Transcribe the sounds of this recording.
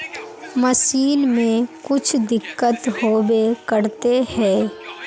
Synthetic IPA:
məsiːnmẽkʊt͡ʃʰd̪ɪkːət̪hoːbekəɾt̪ehɛː

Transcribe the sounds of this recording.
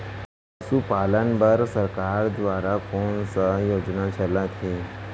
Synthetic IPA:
əsupaːlənbəɾsəɾkaːɾd̪ʋaːɾakɔːnsajoːd͡ʒnat͡ʃəlat̪ʰiː

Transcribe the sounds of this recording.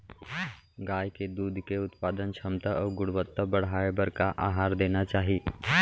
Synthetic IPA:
ɡaːjked̪uːd̪ʱkeʊt̪paːd̪ənt͡ʃʰɐmt̪əɔːɾɡʊɽʋət̪ːəbɐɽ̤aːebɐɾkaʔaːɦaːɾd̪eːnat͡ʃaːɦi

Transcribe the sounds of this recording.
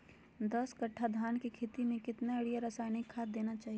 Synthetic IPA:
d̪əskɐʈʰːad̪ʱaːnkikʰet̪imẽkɪt̪naɐɽijaɾɐsaːɪnɪkʰːaːd̪d̪eːnat͡ʃaːɦie

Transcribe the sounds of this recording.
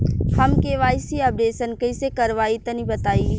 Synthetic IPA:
hɐmkeʋaːɪsiɐp̚ɖeːʃənkɐɪsekɐɾʋaːit̪ɐnibɐt̪aːi

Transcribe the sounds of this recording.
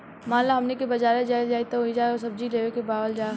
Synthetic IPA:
maːnlaɦɐmnekebɐd͡ʒaːɾed͡ʒaːid͡ʒaːit̪oid͡ʒaːosɐb̚d͡ʒileːʋekebaːʋəld͡ʒaː

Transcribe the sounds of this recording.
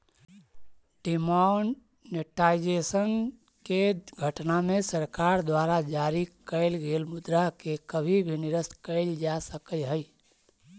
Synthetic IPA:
ʈimanː | eʈaid͡ʒesən | keɡʱəʈnamesəɾkaɾd̪waɾad͡ʒaɾikəɪlɡelmʊd̪ɾakekəbʱibʱiniɾəskəɪld͡ʒasəkəjɦəj

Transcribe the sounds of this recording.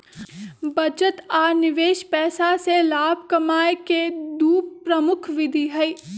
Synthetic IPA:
bɐd͡ʒət̪aːnɪʋeːʃpɛːsaselaːbʱkɐmaːjked̪uːppɾəmʊkʰʋɪd̪ʱiɦɐi

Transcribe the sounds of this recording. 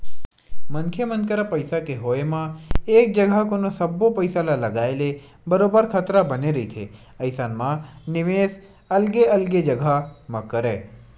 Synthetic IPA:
məŋkʰjemənkəɾapəjsakeɦoemãek̚d͡ʒəɡʱakonosəbopəjsalaləɡaele | bəɾobəɾkʰət̪ɾabəneɾəɦit̪ʰḛ | əjsanmãnɪʋes | əlɡeəlɡed͡ʒəɡʱamãkəɾe

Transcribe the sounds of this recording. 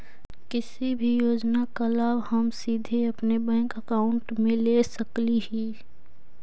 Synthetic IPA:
kɪsibʱijoːd͡ʒnakəlaːbhɐmsiːd̪ʱeɐpnebɛ̃ːŋkəkaːʊɳʈmẽleːsɐkliɦiː

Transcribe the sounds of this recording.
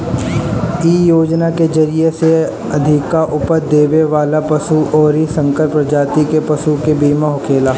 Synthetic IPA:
iːjoːd͡ʒnakezɐɾijese | ɐd̪ʱɪkaʔʊpəɾd̪eːʋeʋaːlapɐsuʔɔːɾisɐ̃ŋkəɾpɾɐd͡ʒaːt̪ikepɐʃukebiːmaɦʊkʰeːlaː

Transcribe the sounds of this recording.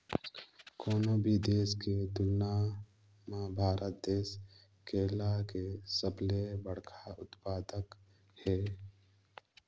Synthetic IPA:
koːnobʱid̪eːsked̪ʊlna | mãbʱaːɾət̪̚d̪eːs | keːlakesəblebəɽkʰaʊt̪paːd̪ək | hɛː

